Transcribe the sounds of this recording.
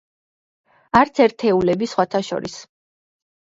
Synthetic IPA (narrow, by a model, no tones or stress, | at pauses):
aɾt̪sʰɛɾt̪ʰɛulɛbisχwat̪ʰaʃɔ̰ɾḭs